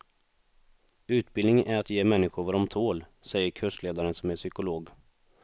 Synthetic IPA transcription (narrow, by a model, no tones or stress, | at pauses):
ʉ̟ːt̪̚bɪlnɪŋʔæɾat̪jeːmɛnːɪɧʊɾvɑɾɔmt̪ʰoːlsɛjːəɾkʰɵʂleːd̪aɾənsɔmæʂʏkʊloːɡ